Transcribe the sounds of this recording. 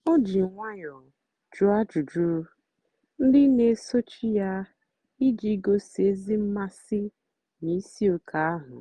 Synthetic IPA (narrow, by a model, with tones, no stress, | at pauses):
ɔ˦d͡ʒi˨ŋʷa˦ɲɔ˨ | d͡ʒu˦a˦d͡ʒu˨d͡ʒu˦ɾu˦ | n̩˦dɪ˦ne˨˦so˦t͡ʃi˦ja˦ | i˦d͡ʒi˨˦ɡo˦se˨˦zi˦m̩˦ma˦sɪ˦ | ni˨˦si˦o˨kʰa˨a˦ɦʊ̰˨